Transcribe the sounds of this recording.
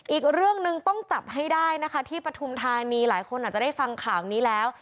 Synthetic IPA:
ʔiː˨˩k̚ɾɯ˥˩əŋnɯ˧ŋt̪ɔ˥˩ŋt͡ɕa˨˩p̚ɦa˥˩jdaː˥˩jna˦˥kʰa˦˥t̪ʰiː˥˩pɾa˧t̪ʰu˧mt̪ʰaː˧niː˧laː˩˦jkʰo˧nʔa˨˩t̚t͡ɕa˨˩da˥˩jfa˧ŋkʰaː˨˩wniː˦˥lɛː˦˥w

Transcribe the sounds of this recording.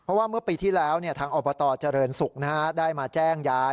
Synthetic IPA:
pʰɾɔ˦˥waː˥˩mɯ˥˩əpiː˧t̪ʰiː˥˩lɛː˦˥wni˥˩ɐt̪ʰaː˧ŋʔɔː˧˩bɔː˧t̪ɔː˧˩t͡ɕa˨˩ɾɤː˧nsu˨˩k̚naː˦˥˩daː˥˩jmaː˧t͡ɕɛː˥˩ŋjaː˦˥

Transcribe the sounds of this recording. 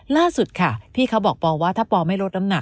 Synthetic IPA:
laː˥˩su˨˩t̪̚kʰa˥˩pʰiː˥˩kʰa˦˥wbɔː˨˩k̚pɔː˧waː˥˩t̪ʰaː˥˩pɔː˧ma˥˩jɾo˦˥t̪̚na˦˥na˨˩k

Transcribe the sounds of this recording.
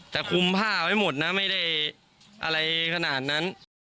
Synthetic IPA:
t̪ɛː˨˩kʰu˧mpʰaː˥˩a˦˥˩jmo˨˩t̪̚na˦˥ma˥˩jda˥˩j | ʔa̰˧ɾa˧jkʰa˧naː˨˩t̪̚na˦˥n

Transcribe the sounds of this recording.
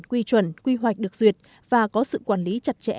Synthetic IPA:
kwi˧t͡ɕwə˨˧˩nkwi˧ɦwa˨˩k̟̚ɗɨ˨˩ək̚zwi˨˩ət̚ | vaː˨˩kɔ˨˦sɨ̰˧˨kwaː˧˩nli˨˦t͡ɕa˧˩t̚t͡ɕɛ̰˧˥

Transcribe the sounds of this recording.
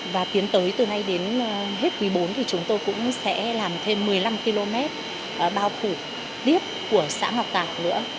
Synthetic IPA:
vaː˨˩t̪i˨˦ənt̪əː˨˦jt̪ɨ˨˩na˧jɗe˨˦nɦe˦˥t̚kwi˨˦ɓo˨˦nt̪ʰi˨˩t͡ɕʊ˨˦ŋ͡mt̪o˧jkʊ̰˧˥ŋ͡msɛ̰˧˥laː˨˩mt̪ʰe˧mːɨ˨˩əjla˧mki˧lo˧mɛ˦˥t̚ | ʔɓaː˧wfu˧˩ | t̪i˦˥əp̚ku˧˩əsa̰ː˧˥ŋha˨˩wk͡p̚t̪aː˨˩w̚nɨ̰˧˥ə

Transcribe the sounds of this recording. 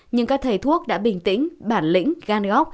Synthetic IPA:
ɲɨ˧ŋkaː˦˥k̚t̪ʰə˨˩jt̪ʰu˦˥ək̚ɗa̰ː˧˥ɓi˧˩ŋt̪ḭ˧˥ŋɓaː˧˩nlḭ˧˥ŋ̟ɣaː˧nɣɔ˦˥k͡p̚

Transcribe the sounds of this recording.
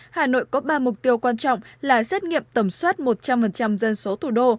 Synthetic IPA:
haː˨˩no̰˧˨jkɔ˨˦ɓaː˧mʊ˨˩k͡p̚t̪i˧əwkwaː˧nt͡ɕɔ̰˧˨wŋ͡mlaː˨˩sɛ˦˥t̚ŋḭ˧˨əmt̪ə˨˧˩mswaː˦˥t̚mo˨˩t̚t͡ɕa˧mfə˨˩nt͡ɕa˧mzə˧nso˨˦t̪ʰu˧˩ɗo˧

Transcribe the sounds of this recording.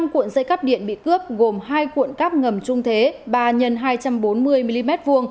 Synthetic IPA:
ŋ͡mkwḭ˧˨ənzə˧jkaː˦˥p̚ɗḭ˧˨ənɓḭ˧˨kɨ˦˥əp̚ɣo˨˩mhaː˧jkwṵ˧˨ənkaː˦˥p̚ŋə˨˩mt͡ɕʊ˧ŋ͡mt̪ʰe˨˦ɓaː˨˩ɲə˨˩nɦaː˧jt͡ɕa˧mɓo˨˦nmɨ˧əjmi˧li˧mɛ˦˥t̚vu˧əŋ

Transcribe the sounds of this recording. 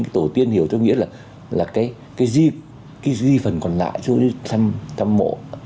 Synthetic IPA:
ŋkaː˨˦jt̪o˧˩t̪i˧ənhi˧˩əwt͡ɕɔ˧ŋ͡mŋḭ˧˥laː˨˩ | laː˨˩kaː˨˦j | kaː˨˦jzi˧ | kaː˨˦jzi˧fə˨˩nkɔ˨˩nla̰ː˧˨jt͡ɕu˧i˨˧˦t̪ʰa˧mt̪ʰa˧mːo̰˧˨

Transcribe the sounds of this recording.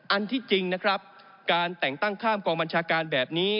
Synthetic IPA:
ʔa˧nt̪ʰiː˥˩t͡ɕi˧ŋna˦˥kʰɾa˦˥p̚ | kaː˧nt̪ɛ˨˩ŋt̪a˥˩ŋkʰaː˥˩mkɔː˧ŋba˧nt͡ɕʰaː˧kaː˧nbɛː˨˩p̚niː˦˥

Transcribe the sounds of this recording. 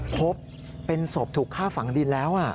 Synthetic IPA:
pʰo˦˥p̚ː | e˧nso˨˩p̚t̪ʰuː˨˩kʰːaː˥˩fa˩˦ŋdi˧nlɛː˦˥wʔa˨˩

